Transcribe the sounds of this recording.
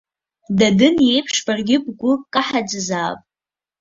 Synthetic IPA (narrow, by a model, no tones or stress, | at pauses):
dadɨnje̞jpʰʂbarɡʲɪb̚ʼɡʷʊkʼaħad͡zzaːpʼ